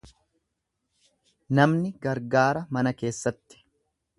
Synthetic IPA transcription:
nɐmnɪɡɐɾɡaːɾɐmɐnɐke̞ːsːɐt̪ːɪ̥

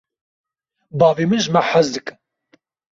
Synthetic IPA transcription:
bɑːvemɨnʒɨmaħazd̪ɨkʼɨn

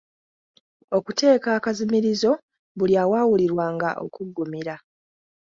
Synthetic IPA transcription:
o̞kute̞ːkaːkazimiɾizo̞ | βuljaːwaːwuliɾwaːŋɡa̰ʔo̰kuɡːumiɾa

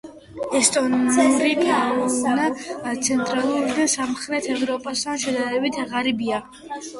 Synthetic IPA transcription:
ɛst̪ʼɔnuɾikʰanat̪sʰɛnt̪ʼɾalˠuɾid̪asamχɾɛt̪ʰɛvɾɔpʼast̪ʰanʃɛd̪aɾɛbit̪ʰʁaɾibia

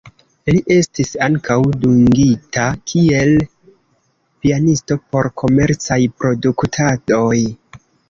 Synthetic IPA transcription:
liʔe̞stisaŋkʰawduŋɡitakʰie̞l | pianisto̞po̞ɾkʰo̞me̞ɾt͡sajpɾo̞duktʰado̞j

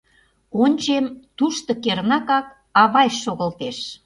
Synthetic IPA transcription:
onʲt͡ɕemt̪uʃt̪ŏkernɑkɑk̚ | ɑβɑjʃʃoɣə̆lt̪eʃ

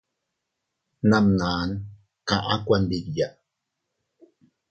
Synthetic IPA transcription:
namnaːn | kaʔakwandidja

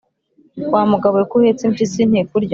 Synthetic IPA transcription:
waːmuɡaβujekuhet͡simt͡ʃisinheːkuɾɟ

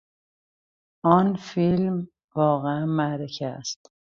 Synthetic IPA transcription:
ʔɒːnfilm | vɒːɣeænmæɾecʰæst̪

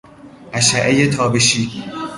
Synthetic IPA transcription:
ʔæʃæʔejet̪ʰɒːbeʃiː

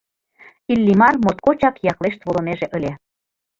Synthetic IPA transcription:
ilʲːimɑrmot̪̚kot͡ɕɑkjɑkleʃt̪βolŏmeʒeʔə̆lʲe

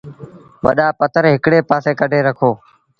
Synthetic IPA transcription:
ʋə̰ɗaːpət̪ʰəɾɦɪkɽeːpaːseːkəɖʱeːɾəkʰoː

